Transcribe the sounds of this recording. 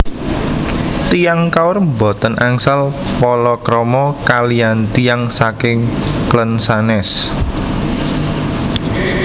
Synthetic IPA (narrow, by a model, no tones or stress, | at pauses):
t̪ijaŋkaʊrmbɔ̤t̪ənʔaŋsalpɔlɔkɾɔmɔkaliant̪ijaŋsakɪŋklənsanɛs